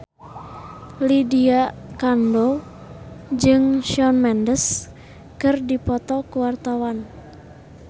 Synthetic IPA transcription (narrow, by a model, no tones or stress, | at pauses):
lidiakando | d͡ʒɨŋʃɔnmɛndəs | kɨrdipɔt̪ɔkuwart̪awan